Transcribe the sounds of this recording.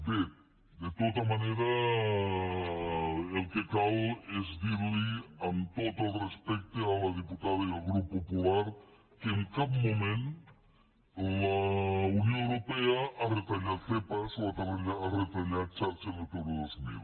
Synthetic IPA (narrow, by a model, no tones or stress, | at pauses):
b̪e | d̪et̪ot̪amaneɾa | elkekalezðiɾliant̪ot̪elrespɛk̚t̪ealaðiput̪aðaialɣɾuppːopulaɾ | keeŋkapmomẽn | launjõewɾopeaʔaret̪aʎaθepasoat̪aenaaret̪aʎat͡ʃaɾt͡ʃenet̪oɾoðozmḭl